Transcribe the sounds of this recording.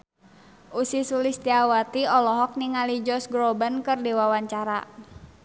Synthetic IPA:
ʔusisulist̪iawat̪iɔlɔɦɔk̚niŋalid͡ʒɔsɡɾobənkərdiwawaɲt͡ʃaɾa̰

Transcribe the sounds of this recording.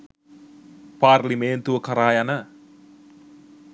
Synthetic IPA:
parlimeːnt̪uəkəɾajanə

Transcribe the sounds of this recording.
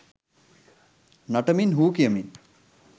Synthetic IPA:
nɐʈɐminɦuːkijəmin

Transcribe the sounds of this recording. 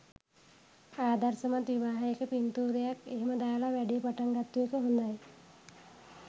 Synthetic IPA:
aːd̪ɐɾsɐmat̪ʋiʋaːɦɐjekəpint̪uːɾɐjakeːmɐd̪aːlaʋɛɖijɐpɐʈɐŋɡɐt̪ːujekəɦund̪aj

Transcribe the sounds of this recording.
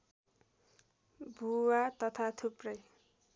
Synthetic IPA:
bʱuwat̪ʌt̪ʰat̪ʰuprʌj

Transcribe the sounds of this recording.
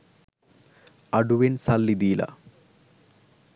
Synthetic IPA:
ɐɖuʋensɐlːid̪iːlɐ̰

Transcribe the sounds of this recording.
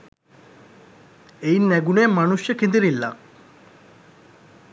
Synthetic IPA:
einːæɡuneːmanuʃjəkend̪iɾilːa̰

